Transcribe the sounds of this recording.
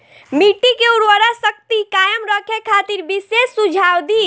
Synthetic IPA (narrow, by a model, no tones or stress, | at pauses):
miʈikeuɾʋəɾasək̚t̪ikajəmɾəkʰekʰat̪iɾbisesːud͡ʒʱawd̪i